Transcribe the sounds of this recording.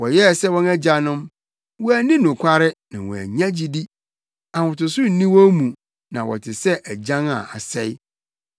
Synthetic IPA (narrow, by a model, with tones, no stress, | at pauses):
wɔ˨jɛ˦˨sɛ˦wɔ̃˦næ˦d͡ʑa˨nʊ̃˦m | wɔ˦æ˦nĩ˦nʊ̃˨kʷʰa˦ɾɪ˦nã˨wɔ̰̃˨æ̰˨ɲã˦d͡ʑi˨di˦ | a˨hʊ̃˨tʊ˨sʊ˦n̩˨nĩ˦wɔ˦mũ˨ | nã˨wɔ̰˨tʰɪ˨sɛ˦ʔæ˨d͡ʑã˦ŋa̰˨a̰˨sɛ˦ɪ˦